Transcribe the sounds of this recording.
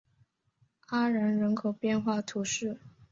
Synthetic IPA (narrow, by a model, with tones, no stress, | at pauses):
a˥ɻa˧˥nɻə˧˥nkʰo˨˩ʊpjɛ˥˧nxwa˥˩t̪ʰu˧˥ʂɻ̩˥˩